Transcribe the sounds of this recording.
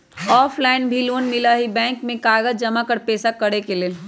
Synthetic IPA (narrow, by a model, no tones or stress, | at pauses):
ɔːpʰlaːɪnbʱiloːnmɪlaɦibɛ̃ːŋkmẽkaːɡəd͡ʒd͡ʒɐmakəɾpɛːsakɐɽekeleː